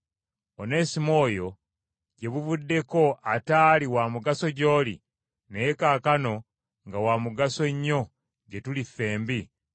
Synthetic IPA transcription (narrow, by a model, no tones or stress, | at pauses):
one̞ːsimo̞ːjo̞ | ɟe̞βuvudːe̞ko̞ʔataːliwamuɡaso̞ɟo̞ːlḭ | neekaːkano̞ | ŋɡawamuɡaso̞ɲːo̞ | ɟe̞tulifːe̞ːmbi